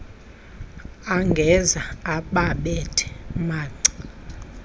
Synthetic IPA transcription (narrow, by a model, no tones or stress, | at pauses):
aŋɡʱɛzaaɓaɓɛtʰɛ̥maːḁ